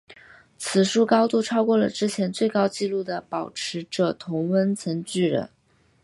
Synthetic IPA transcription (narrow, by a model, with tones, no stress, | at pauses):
t͡sʰɹ̩˨˩ʂu˥˩kɑ˥ʊt̪u˥˩ʈ͡ʂʰɑ˥ʊkwɔ˥˩lə̰˩ʈ͡ʂɻ̩˥t͡ɕʰjɛ˧˥nt͡swe˥˩ɪkɑ˥ʊt͡ɕi˥˧lu˥˩d̪ə˩pɑ˨˩ʊʈ͡ʂʰɻ̩˧˥ʈ͡ʂɤ˨˩t̪ʰʊ˧˥ŋwə˥nt͡sʰə˧˥ŋt͡ɕy˥˩ɻə̰˧˥n